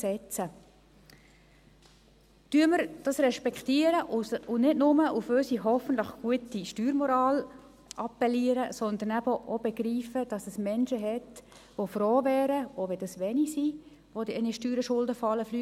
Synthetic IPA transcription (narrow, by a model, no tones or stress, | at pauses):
sɛt͡sə | tyəməɾd̥ɑsɾɛʃpɛktiəɾəʔʊnɪdnʊməʔuføsiɦɔfən̩t̪ləχɡ̥uətiʃtyːɾmɔɾɑːl | ʔɑpɛliəɾəsɔnd̪ənæbəʔob̥ɛɡɾiːfəd̥ɑsɛsmɛnʃəɦɛt | ʋofɾoːʋɛːɾəoʋɛdɑsʋɛnisi | ʋodiɛniʃtyːɾəʃʊldəfɑlːəfly